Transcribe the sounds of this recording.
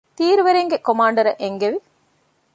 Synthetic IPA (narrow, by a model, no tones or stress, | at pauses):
t̪iːɾuʋeɾeŋɡekomaːɳɖɐɾɐʔeŋɡeʋi